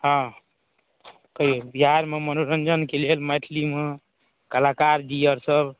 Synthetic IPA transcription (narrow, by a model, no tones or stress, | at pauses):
ɦã | kəɦiobiɦaɾmemənoɾənd͡ʒənkelelmaʈʰlime | kəlakaɾd͡ʒijəɾsəb